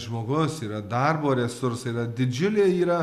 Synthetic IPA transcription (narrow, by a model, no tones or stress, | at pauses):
ʒmoːɡʊsiːɾɐd̪ɐrboːɾʲɛsʊɾsɐiːɾɐd̪ʲɪd͡ʒʲʊlʲeːiːɾɐ